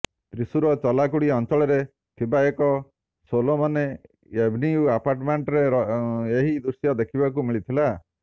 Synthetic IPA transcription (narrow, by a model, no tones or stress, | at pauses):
t̪ɾisuɾɔt͡ʃɔlakuɽiɔnt͡ʃɔɭɔɾe | t̪ʰibaekɔ | solomɔne | ebʱniuapaɾʈmeɳʈɔɾeɾeɦid̪usjɔd̪ekʰibakumiɭit̪ʰila